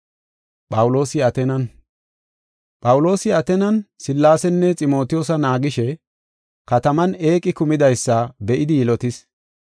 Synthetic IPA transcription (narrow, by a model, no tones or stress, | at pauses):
pʼɐwʊlo̞ːsɪɐt̪ɛnɐn | pʼɐwʊlo̞ːsɪɐt̪ɛnɐnsɪlːaːsɛnːɛt͡sʼɪmo̞ːt̪ɪjɔːsɐnaːɡɪʃɛ | kɐt̪ɐmɐne̞ːkʼːɪkʊmɪd̪ɐjsːɐbɛʔɪd̪ɪjɪlɔt̪ɪs